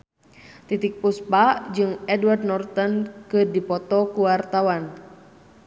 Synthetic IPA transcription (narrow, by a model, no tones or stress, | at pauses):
t̪it̪ik̚puspad͡ʒɨŋɛduwardnɔrt̪ɔnkɨrdipɔt̪ɔkuwart̪awan